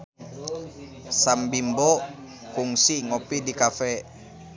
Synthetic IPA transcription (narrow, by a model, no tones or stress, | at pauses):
sambimbo | kuŋsiŋɔpidikafɛ